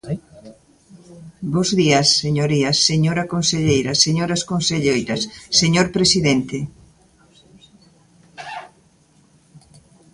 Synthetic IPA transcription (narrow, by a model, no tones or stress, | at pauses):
bozðiɐsːeɲoɾiɐsːeɲoɾɐkonseʎejɾɐseɲoɾɐskonseʎejɾɐsːeɲoɾpɾesiðent̪ɪ